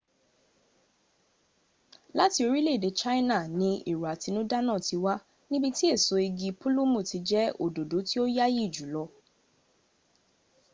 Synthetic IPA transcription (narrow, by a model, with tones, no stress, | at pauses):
la˦ti˧˦o˧ɾi˦le˦˨de˨˦t͡ʃa˦i˦na˦˨nĩ˧ḭ˨ɾu˨a˨ti˧nũ˦da˦nã˦˨ti˨˧wa˦ | nĩ˦bi˦ti˦e˦˨so˧i˧ɡi˧pu˦lu˦mũ˦˨ti˧d͡ʒɛ˦o̰˨do˨do˨˦ti˦o˦ja˦ji˦˨d͡ʒu˨˦lɔ˧˦